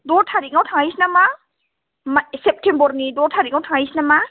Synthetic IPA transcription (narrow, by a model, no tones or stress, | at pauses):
dɔɾtʰaɾiŋawtʰaŋajsinama | masep̚tʰembɔɾnidɔɾtʰaɾiŋawtʰaŋajsinama